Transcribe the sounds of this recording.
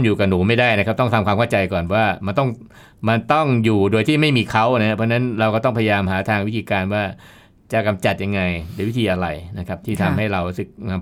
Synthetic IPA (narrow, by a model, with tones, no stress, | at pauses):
ŋjuː˨˩ka˨˩nuː˩˦ma˥˩jdaː˥˩jna˦˥kʰa˦˥p̚t̪ɔ˥˩ŋt̪ʰa˧kʰwaː˧mkʰa˥˩t͡ɕa˧jkɔː˨˩nwaː˥˩ma˧nt̪ɔ˥˩ŋ | ma˧nt̪ɔ˥˩ŋjuː˨˩do˧jt̪ʰiː˥˩ma˥˩jmiː˧kʰa˦˥˩wna˦˥a˦˥pʰɔ˦˥na˦˥nɾa˧wkɔː˥˩t̪ɔ˥˩ŋpʰa˧ja˧jaː˧mɦaː˩˦t̪ʰaː˧ŋwt̪ʰiː˧kaː˧nwaː˥˩ | t͡ɕa˨˩ka˧mt͡ɕa˨˩t̪̚ja˧ŋːa˧jdɯː˧˦wt̪ʰːʔa˧ɾa˧jna˦˥kʰa˦˥p̚t̪ʰiː˥˩t̪ʰa˧mha˥˩jɾa˧wɾu˦˥sɯ˨˩k̚na˧m